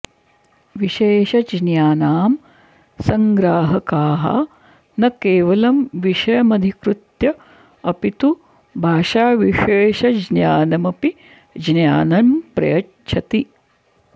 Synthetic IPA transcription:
ʋiʃeːʃɐd͡ʒnjaːnaːm | sɐŋɡɾaːɦɐkaːɦɐ̰ | nɐkeːʋɐlɐmʋiʃɐjɐmɐd̪ʱikɾut̪jɐ | ɐpit̪u | bʱaːʃaːʋiʃeːʃɐd͡ʒnjaːnɐmɐpi | d͡ʒnjaːnɐnpɾɐ̰jɐ | t͡ʃʰɐt̪i

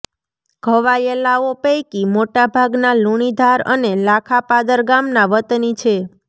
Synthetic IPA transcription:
ɡʱəʋajelaopəjkimoʈabʱaɡnaluɽ̃id̪ʱaɾə̰nelakʰapad̪əɾɡamnaʋət̪nit͡ʃʰe

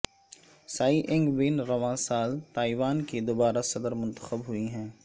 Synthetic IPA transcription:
saːiʔɪ̃ŋɡbɪnɾɐʋãːsaːlt̪aːiʋaːnkid̪oːbaːɾasɐd̪əɾmʊ̃nt̪ə̥xəbɦʊiɦɛ̃ː

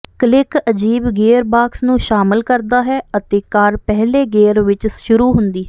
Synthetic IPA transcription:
kəlɪkəd͡ʒiːbɡeːɾbaːksnũːʃaːmɪlkəɾd̪aːɦɛːət̪eːkaːɾpɛɦleːɡeːɾʋɪt͡ʃʃʊɾuːɦʊnd̪iː

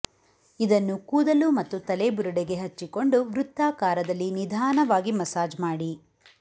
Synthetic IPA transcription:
id̪ɐnːukuːd̪ɐlumɐt̪ːut̪ɐlebuɾuɽeɡe̞ɦɐt͡ʃːiko̞ɳɖuʋɾut̪ːaːkaːɾɐd̪ɐlːinid̪ʱaːnɐʋaːɡimɐsaːd͡ʒmaːɽi

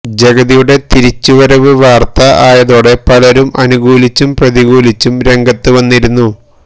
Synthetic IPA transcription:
d͡ʑɐɡɐðijuɽe̞t̪iɾit͡ɕːuʋɐɾɐʋɨʋaːrt̪ɐaːjɐðo̞ːɽe̞pɐlɐɾumɐnuɡuːlit͡ɕːumprɐðiɣuːlit͡ɕːumɾe̞ŋɡɐt̪ːɨʋɐnːiɾunːu

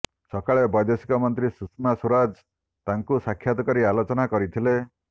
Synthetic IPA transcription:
sɔkaɭebɔjd̪esi̥kɔmɔnt̪ɾisusmasuɾad͡ʒ | t̪aŋkusakʰːjat̪ɔkɔɾialot͡ʃɔnakɔɾit̪ʰile

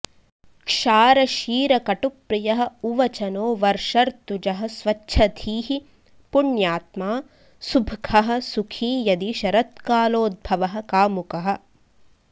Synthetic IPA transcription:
kʂaːɾɐʃiːɾɐkɐʈupɾijɐɦɐ̆uʋɐt͡ʃɐnoːʋɐɾʂɐɾt̪ud͡ʒɐɦɐ̆sʋɐt͡ʃːʃʰɐd̪ʱʰiːɦi | puɳjaːt̪maː | subʱkʰɐɦɐ̆sukʰiːjɐd̪iʃɐɾɐt̪̚kaːloːd̪̚bʱɐʋɐɦɐ̆kaːmukɐɦɐ̆

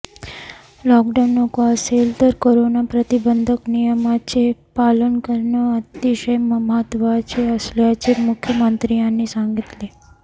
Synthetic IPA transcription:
lɔkɖanːokaselt̪əɾkoɾonapɾət̪ibənd̪ʱəknijəmat͡ɕepalənkəɾɳəət̪iʃəjməmɦət̪ʋat͡ɕeəsljat͡ɕemukʰːjəmənt̪ɾijãnːisãŋɡit̪li

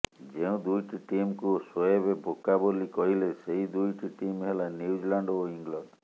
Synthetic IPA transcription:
d͡ʒeũd̪ujʈiʈimkuoswɔjebebʱokabolikɔɦileseɦid̪ujʈiʈimɦelaniud͡ʒilaɳɖoiŋɡlɔɳɖ

